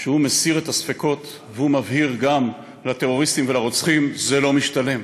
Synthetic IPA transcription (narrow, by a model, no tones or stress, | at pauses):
ʃeumesiʁet̪asfeko̞t̪ | veumavhiʁɡam | lat̪e̞ʁo̞ʁist̪imvelaʁot͡sχimzelo̞miʃt̪ale̞m